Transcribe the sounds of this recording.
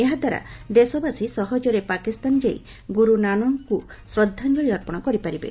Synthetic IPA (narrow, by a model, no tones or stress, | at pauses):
eɦad̪ʱwaɾa̰d̪esɔbasisɔɦɔd͡ʒɔɾepakist̪and͡ʒej | ɡuɾunañɔŋku | sɾɔd̪ʱːand͡ʒɔɭiɔɾpɔɽ̃ɔkɔɾipaɾibḛ